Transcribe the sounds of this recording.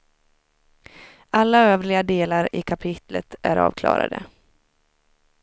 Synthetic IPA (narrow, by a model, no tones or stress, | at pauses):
ʔalːaøːvlɪɡad̪eːlaɾɪkʰapʰɪt̪lət̪æɾɑ̰ːvkʰlɑ̰ːɾa̰d̪ə̰